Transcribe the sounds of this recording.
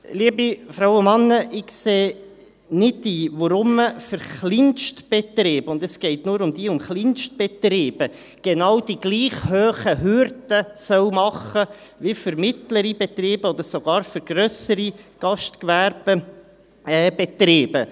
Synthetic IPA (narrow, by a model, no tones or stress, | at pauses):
liːəbifɾawʊmɑnːəʔɪkseː | nɪdd̥iːʋɔɾʊmːəfəɾχlɪnʃtb̥ɛt̪rɪːbəʊnd̪ɛsɡ̥ɛɪtnuːɾʊmd̥iːʊmχlinʃt̚b̥ɛt̪rɪːb̥ə | ɡ̥enɑwd̥iɡ̥liːχhøːχəɦʏɾdəsœwmɑχəʋifʏɾmɪt̪ləɾibɛt̪riːb̥əɔd̥əɾsoɡ̥ɑːɾfʏɾɡ̥ɾœsəɾiɡ̥ɑʃtkʋæɾb̥ə | ɛːbɛt̪ɾeːbə